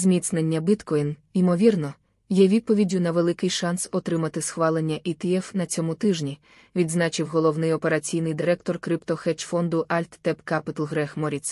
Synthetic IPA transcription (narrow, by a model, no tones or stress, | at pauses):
zmʲit̪snenʲːɐbɪt̪kɔjnimɔʋʲirnɔ | jɛʋʲid̪̚pɔʋʲidʲʊnɐʋelˠɪkɪjʃɑnsɔt̪ɾɪmɐt̪ɪsxʋɑlˠenʲːɐʔit̪eɛwnɐt͡sʲɔmʊt̪ɪʒnʲi | ʋʲid̪znɑt͡ʃɪwɦɔlˠɔwnɪjɔpeɾɐt͡sʲijnɪjd̪ɪɾɛkt̪ɔrkɾɪpt̪ɔxɛt͡ʃfɔnd̪ʊʔɑlʲt̪ːɛpkapɪt̪ɐlˠɦɾɛxmɔɾʲit̪s